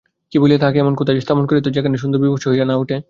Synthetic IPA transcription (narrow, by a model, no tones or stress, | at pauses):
kiboliet̪ʰakeɛmonkot̪ad͡ʑest̪ʰaponkoɾet̪od͡ʑakʰaneʃ̬und̪oɾbiboʃoɦiɾanauʈʰe